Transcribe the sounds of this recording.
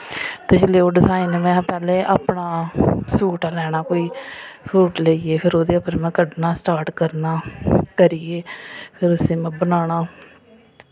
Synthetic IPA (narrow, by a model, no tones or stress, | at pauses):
t̪eːd͡ʒɪleːoːɖɪsaːiːnmɛ̃pɛːleːʔaːpɳaːsuːʈaːlɛːɽ̃aːkoːiːsuːʈleiːeːpʰɪɾoːd̪eːəpɾmɛ̃ːkəɖnaːsʈaːɾʈkəɾnaːkəɾiːeːpʰɪɾʊsẽːmɛ̃ːbənaːɳ̃aː